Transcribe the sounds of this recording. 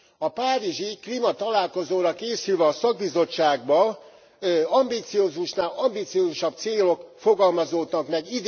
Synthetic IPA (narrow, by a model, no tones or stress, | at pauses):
ɒpaːɾiʒiklimɒt̪ɒlaːlko̞zoːɾɒkeːsylvɛɒsɒɡ̚bizo̞t͡ʃːaːɡ̚bɒ | ɒmbiːt̪sijoːzuʃnaːlɒmbit̪sioːzuʃɒb̚t̪seːlo̞kfo̞ɡɒlmɒzoːt̪nɒknɛɟid̪